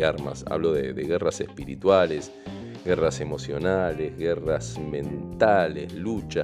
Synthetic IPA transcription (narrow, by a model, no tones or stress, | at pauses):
aɾma̰sa̰βloðeðeɣerasehspiɾit̪wales | ɣerasemo̞sjonalezɣerasmẽnt̪alezlut͡ʃa